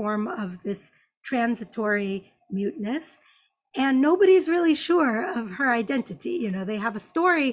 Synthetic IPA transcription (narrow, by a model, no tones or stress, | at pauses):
ɔɹmʌvðɪs | tʰɹ̥æ̃nzɨtʰɔɹi | mjʉtⁿnɨs | ɨ̃nːoʊbɨɾizɹɪlˠiʃʊɹʌv̥ə˞aɪdɛ̃ntɨɾḭjɨnoʊðeɪəvəstɔɹi